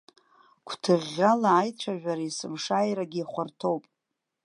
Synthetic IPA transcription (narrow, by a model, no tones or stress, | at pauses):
kʷʰtʰɨʁʲalaːjt͡ʃʷʰaʒᶣʷaɾaisɨmʂajɾaɡʲiːχʷartʰo̞wpʼ